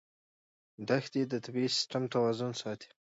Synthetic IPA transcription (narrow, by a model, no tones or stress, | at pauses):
d̪axd̪id̪ət̪ʰabisɪ̥sʈamt̪awɑzʊnsɑt̪i̥